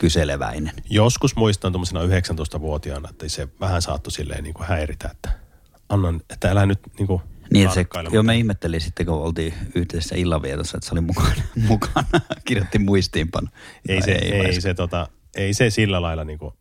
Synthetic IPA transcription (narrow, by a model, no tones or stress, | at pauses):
kyseleʋæ̰inenjoskusmuist̪ɑnt̪omːosenɑyheksænoˑist̪ɑʋuot̪iɑnɑet̪ːæiseʋæhænsɑ̰ːt̪ːusilːḛniːŋkuhæirit̪æ̰et̪ːæ̥ | ɑnːɑnet̪ːæelænyt̪niːŋkuniːet̪seljomeihmet̪ːelinsit̪ːekoolt̪iːyhd̪eesːæ̰ilːɑʋiet̪osːɑet̪ːæseolimukɑnemukɑnɑkirjot̪ːimmuist̪iːmpɑ̰nːɑeˑisḛieæiset̪ot̪ɑ | eisesilːælɑilːɑniːŋku